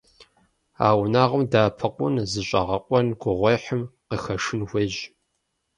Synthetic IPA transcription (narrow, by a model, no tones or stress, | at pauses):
a̰ːwnaːʁəmdaːpʰɐqʷʼʊnzɨɕʼɐ̰ʁɐqʷʼɔnɡʷʊʁʷɔjħəmqəxɐʂɨnwʷeʑ